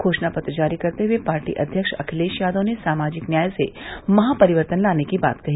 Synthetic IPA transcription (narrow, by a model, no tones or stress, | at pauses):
kʰoːʃnapɐt̪ɾd͡ʒaːɾikɐɾt̪eɦʊepaːɾʈḭʔɐ̰d̪ʱjəkʃɐkʰɪleːʃjaːd̪õnesaːmaːd͡ʒɪknjaːjsemɐɦapɐɾɪʋəɾt̪ənlaːnekiba̰ːt̪kɐɦiː